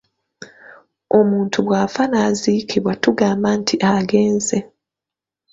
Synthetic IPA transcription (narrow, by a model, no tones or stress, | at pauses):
o̞muːntʰuβwaːfanaːzikʰiβwatuɡaːmbantʰiʔaɡe̞ːnze